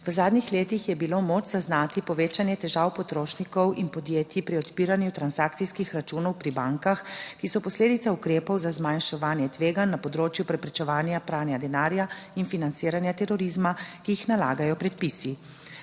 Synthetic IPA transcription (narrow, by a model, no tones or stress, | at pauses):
ʋəzaːd̪nixleːt̪ixjɛbilomoːt͡ʃzaznaːt̪ipɔʋeːt͡ʃanjɛt̪ɛʒaːwpɔt̪ɾoːʃnikɔwʔinpɔd̪jeːt̪ipɾiɔt̪piːɾanjut̪ɾansakt̪sijskixɾat͡ʃunɔwpɾibaŋkaxkisɔpɔsleːd̪it̪saukɾeːpɔwzazmajnʃɛʋaːnjɛt̪ʋeːɡanːapɔd̪ɾoːt͡ʃjupɾɛpɾɛt͡ʃɛʋaːnjapɾaːnjad̪ɛnaːɾjainfinant̪siːɾanjat̪ɛɾɔɾizmakiixnala̰ːɡajɔpɾɛt̪̚pisi